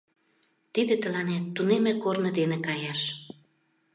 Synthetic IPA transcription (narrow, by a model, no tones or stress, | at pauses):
t̪id̪et̪əlɑnet̪ːunemĕkornə̆d̪enekɑjɑʃ